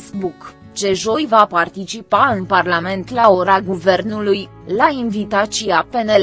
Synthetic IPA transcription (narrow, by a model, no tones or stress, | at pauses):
sbuk | t͡ʃe̞ʒo̞jvapart̪it͡ʃipaɨnparlame̞nt̪lao̞ɾaɡuve̞rnuluj | lainvit̪at͡ʃiape̞nel